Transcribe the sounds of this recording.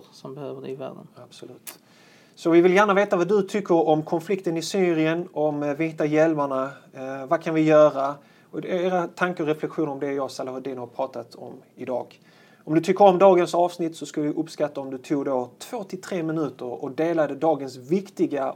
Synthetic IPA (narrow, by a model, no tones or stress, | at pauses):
sɔmbɛhøːvədɛ̰væ̰ːɖə̰nab̥sɔlʉ̟ːt̪ | sɔvɪvɪljæːɾɳaveːt̪avad̪ɵt̪ʰʏkʰːəɾɔmkʰɔnflɪkt̪ənɪsyːɾɪənɔmvɪɪt̪ːajɛlmaɳavakʰanvɪjœːɾa | ɔd̪ɛeːɾat̪ʰaŋkəɔɾɛflɛkɧuːnəɾɔmd̪ɛjɑːɡsalahʊd̪iːnhaɾpʰɾɑːt̪at̪ʰɔ̰mɪd̪ɑ̰ːɡ | ɔmd̪ɵt̪ʰʏkːəɾɔmd̪ɑːɡənsɑːvsnɪt̪ːsɔskaləvɪʔɵpskat̪ːaɔmd̪ɵt̪ʰuːɡd̪oːt̪ʰv̥oːt̪ʰɪlt̪ʰɾeːmɪnʉ̟ːt̪əɾɔd̪eːlad̪əd̪ɑːɡənsvɪkt̪ɪɡa